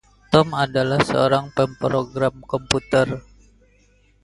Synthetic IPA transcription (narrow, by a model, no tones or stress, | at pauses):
t̪ɔmadalahsəoɾaŋpɛmpɾoɡɾamkɔmput̪ər